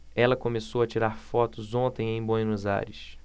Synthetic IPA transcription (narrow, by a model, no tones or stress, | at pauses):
ɛlɐkõmesowɐt͡ʃiɾaɾfɔt̪ʊzõnt̪ẽj̃ẽj̃bõjnuza̰ɾɪs